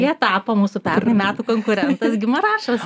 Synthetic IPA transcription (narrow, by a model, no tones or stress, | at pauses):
iɛt̪ɑːpomuːsupʲɛnʲumʲæːt̪uːkoŋkʊɾʲɛnt̪ɐsɡʲɪmɐɾɑːʃɐs